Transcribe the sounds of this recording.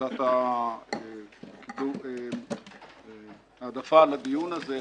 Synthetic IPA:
at̪a | kid̪ue | d̪afalad̪ijunaze

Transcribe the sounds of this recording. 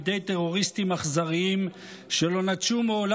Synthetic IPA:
d̪ejt̪eʁo̞ʁist̪imaχzaʁiim | ʃelo̞nat̪t͡ʃumeol

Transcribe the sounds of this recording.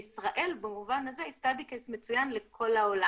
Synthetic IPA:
isʁaʔe̞lbamuvanazeistad̪ikesmet͡sujanlekʰo̞laola

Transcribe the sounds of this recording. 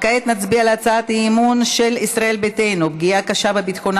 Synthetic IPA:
kaet̪nat͡sbialat͡saat̪imunʃe̞lisʁae̞lbetejnubɡiakaʃabebit̪xon

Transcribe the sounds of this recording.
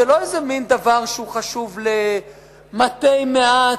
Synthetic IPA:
elo̞ezemind̪avaʁʃeuχaʃuvle | mat̪ejmea

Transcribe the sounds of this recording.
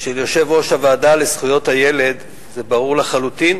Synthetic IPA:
ʃeljo̞ʃe̞vʁo̞ʃhavaːdalesχujo̞thaje̞le̞d̪ | ze̞baʁuʁlaχalut̪in

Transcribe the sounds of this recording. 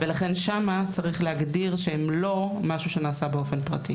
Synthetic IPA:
velaχe̞nʃamat͡saʁiχleaɡdiʁʃeemlo̞maʃuʃe̞naːsabeo̞fe̞npʁa̰ti

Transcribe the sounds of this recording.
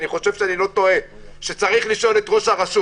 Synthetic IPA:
niχo̞ʃe̞v̥ʃeanilo̞t̪o̞e̞ | ʃe̞t͡saʁiχliʃo̞le̞t̪ʁo̞ʃaʁasu

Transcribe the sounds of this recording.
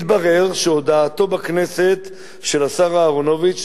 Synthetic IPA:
t̪baʁe̞ʁʃeod̪aːt̪o̞bakneset̪ | ʃe̞lasaʁaːʁono̞vit͡ʃ

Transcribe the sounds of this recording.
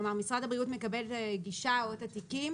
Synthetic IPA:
maʁmisʁad̪abʁijuːt̪mekabelɡiʃawat̪at̪ikiːm

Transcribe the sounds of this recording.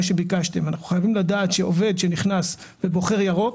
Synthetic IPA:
ʃe̞bikaʃte̞manaχu̥χajavimlad̪aːt̪ʃeove̞d̪ʃe̞niχnas | b̥e̞bo̞χeʁjaʁo̞

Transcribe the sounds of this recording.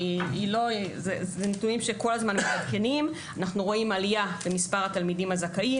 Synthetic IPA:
iilo̞zezenituimʃe̞ko̞lazmanmetadke̞nim | anaχnuʁo̞imalijabemispaʁat̪almidimazakai

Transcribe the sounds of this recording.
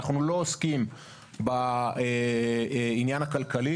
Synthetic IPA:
aχnulo̞oskim | bae | injanhakalkali

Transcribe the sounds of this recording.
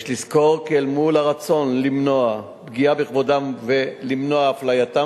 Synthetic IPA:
ʃlisko̞ʁkelmulaʁat͡so̞nlimno̞a | bɡiabeχvodamvelimnoaaflajat̪a

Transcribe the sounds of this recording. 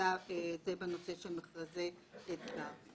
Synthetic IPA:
aezebeno̞seʃelmeχlaze | etɡa

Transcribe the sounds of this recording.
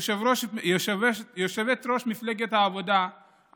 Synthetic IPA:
ʃevɾoʃjoʃevejoʃevet̪ɾoʃmifleɡet̪haːvo̞d̪a

